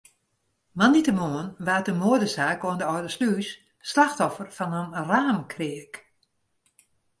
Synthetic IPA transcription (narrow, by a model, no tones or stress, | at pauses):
manitəmoənʋaːtəmoədəsaːkoəndəɔdəslyːsː | laxtɔfərfɔnənraːmkʰrɪək